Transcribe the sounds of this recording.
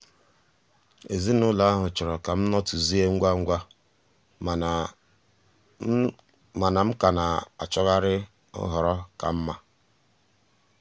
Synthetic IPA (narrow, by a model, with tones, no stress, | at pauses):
e˨zi˦nʊ˦la˦a˦ɦʊ˨t͡ʃʊ˨ɾɔ˨ka˨m̩˦nɔ˦tʊ˨zi˦e˦ŋ̩˦ɡʷa˦ŋ̩˦ɡʷa˦˨ | ma˨na˨m̩˦ka˨na˨a̰˨t͡ʃɔ˦ɣa˦ɾɪ˦ | ʊ̰˦ɦɔ˨ɾɔ˦ka˨m̩˦ma˦